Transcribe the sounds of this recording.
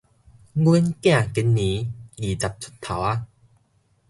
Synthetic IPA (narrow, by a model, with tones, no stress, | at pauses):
ɡi˦nkj̃ã˥˨ki˧˦nːĩ˨˦ɡi˨˩t͡sa˨p̚t͡sʰu̥˦˥t̪ʰa˨˦wa˦